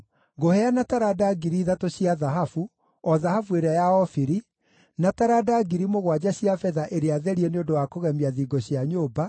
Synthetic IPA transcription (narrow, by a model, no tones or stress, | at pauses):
ɡohɛanataɾadaɡiɾiðatoɕiaðaɦafu | ɔðahafueɾeajaɔfiɾi | nataɾadaɡiɾimoɣwad͡ʑaɕiafɛðaʔeɾeaðɛɾieneondowakoɣɛmiaðiɡoɕiaɲoːba